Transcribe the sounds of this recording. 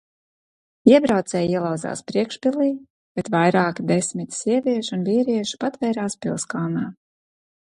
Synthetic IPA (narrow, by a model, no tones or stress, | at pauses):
iɛbɾawt̪sɛjiɛlˠawdza̰ːspɾiɛkʃpʲilˠiː | b̥et̪vajɾaːkd̪esmit̪siɛvʲiɛʃunviːɾiɛʃu̥pat̪vɛjɾaːspʲilˠskalnaː